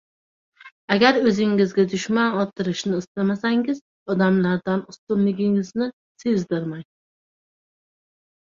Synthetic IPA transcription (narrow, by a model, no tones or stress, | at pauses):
aɡʲaɾɵzɪŋːɪzɡʲad̪ʊʃmanɒt̪ʰɪɾɪʃnɪːst̪amasaŋɪz | ɒd̪amlaɾd̪anʊst̪ʊnlɪɡʲɪŋɪznɪ | se̞zd̪ɪɾmaj